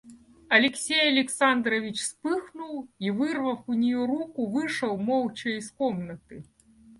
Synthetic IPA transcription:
ɐlʲɛksʲejɐlʲɛksand̪ɾɐvʲit͡ʃspɨxnuwivɨrvɐwunʲɛjuɾukuvɨʂɐwmɔwt͡ʃɐiskɔmnɐt̪ɨ

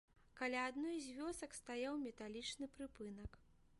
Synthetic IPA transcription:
kalʲaːd̪nɔjzʲvʲɔsɐkst̪ajawmʲɛt̪alʲit͡ʂnɨpɾɨpɨnɐk

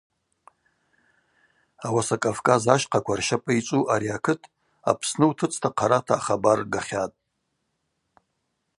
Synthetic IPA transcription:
awasakʼavkʼazaʃqʰakʷarʃapʼait͡ʃʷʼuʔaɾiakʰɨtʰʼ | a̰pʰsnɨwtʰɨt͡sʼtʰaqʰaɾatʰaːχabarɡaχʲatʼ

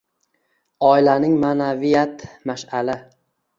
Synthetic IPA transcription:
ɒɪlanɪŋmanavijat̪maʃala

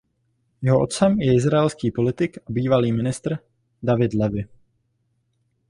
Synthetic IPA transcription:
jɛɦoʔo̞t̪t͡sɛmjɛɪzɾaɛlskiːpo̞lɪt̪ɪkabiːvaliːmɪnɪst̪ɾ | davɪd̪lɛvɪ

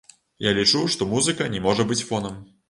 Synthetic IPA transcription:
jalʲit͡ʂuʂt̪ɔmuzɨkɐnʲɛmɔʐɐbɨt͡sʲfɔnɐm

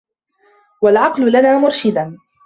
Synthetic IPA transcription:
walʕɑqlʊlanaːmʊɾʃɪd̪an

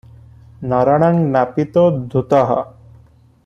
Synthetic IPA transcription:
nɔɾɔɽ̃aŋnapit̪od̪ʱut̪ɔɦɔ̰

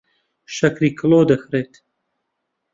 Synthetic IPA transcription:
ʃɐkɾiːkʰloːd̪əxɾeːt̪

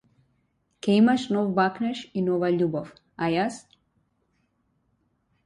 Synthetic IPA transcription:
keimaʃnowbaknɛʃinovaʎubɔf | ajas

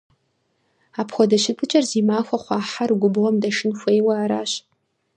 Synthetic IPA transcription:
aːpʰχʷɔdɐʃɪpʰɨt͡ʃʼɐrziːmaːxʷɐχʷɑːħarɡʷʊbɨʁɐmdɐʃɪnxʷejwɐaːɾa̰ːɕ

